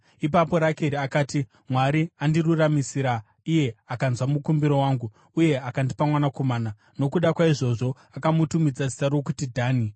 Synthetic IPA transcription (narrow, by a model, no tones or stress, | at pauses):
ip̬apo̞ɾakeɾiakaːti | mwaɾiandiruramisiɾa | ije̞akanzwamukumbiɾo̞waːŋɡu | uje̞akandipamwanako̞maːna | no̞kuɗakwaiʐo̞ʐo̞ | akamutumid͡zad͡zi̥saɾokutidʱaːni